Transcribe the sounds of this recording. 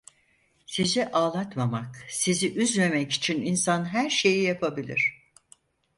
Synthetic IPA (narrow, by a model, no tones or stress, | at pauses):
sizɛʔaːlˠat̪mamaksiziʔyzme̞mɛci̥t͡ʃʰininsanɦæɾʃe̞jijapʰabilʲḭɾ̝̥